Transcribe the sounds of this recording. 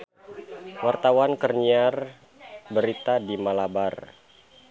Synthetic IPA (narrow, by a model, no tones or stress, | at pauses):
wart̪awankərɲiar | bəɾit̪adimalabar